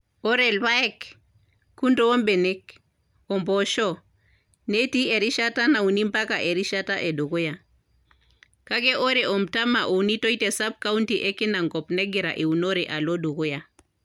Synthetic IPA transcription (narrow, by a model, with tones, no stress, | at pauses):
o˦ɾe˨lwa˦e˦kː | u˦nto˦wo˦mbe˨ne˦k | o˨mpo˨ʃo˦ | ne˦ti˦e˨ɾi˦ʃa˦ta˦na˨u˨ni˦mpa˦ka˨ʔe˨ɾi˦ʃa˦ta˦ʔe˨du˨ku˦ja˨ | ka˦ke˦ʔo˦ɾe˨o˨mta˦ma˨ʔo˨ni˦to˦i˦te˨sa˦b̚ka˦u˦ntiʔe˦ki˦na˨ŋɡɔ˨pne˦ɡi˨ɾa̰˨ʔi˨u˨no˦ɾe˨ʔa˨lo˦du˨ku˦ja˨